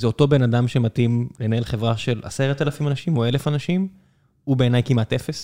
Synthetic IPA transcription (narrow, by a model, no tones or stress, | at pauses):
zeo̞to̞be̞nadamʃematimle̞nahelχevʁaʃe̞la̰seʁat̪alafimanaʃimo̞e̞lefanaʃim | ube̞ːnajkimatefes